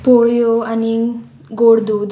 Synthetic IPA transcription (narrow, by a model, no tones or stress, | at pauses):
poɭjoani | ɡoɽd̪ud̪